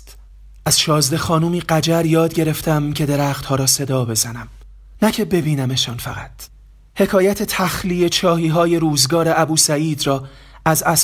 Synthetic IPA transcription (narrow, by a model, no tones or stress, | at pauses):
t̪ | ʔæz̥ʃɒːzd̪e̞xɒːnuːmiːɢæd͡ʒæɾjɒːd̪̚ɟe̞ɾe̞ft̪æmcʰe̞d̪e̞ɾæːxt̪hɒːɾɒːse̞d̪ɒːbe̞zænæm | næcʰe̞be̞biːnæmeʃɒːnfæ̰ɣæt̪ʰ | he̞kʰɒːjæt̪ʰe̞t̪ʰæxliːje̞t͡ʃʰɒːɦiːɦɒːje̞ɾuːzɡɒːɾe̞æbuːsæiːd̪ɾɒː | æzæs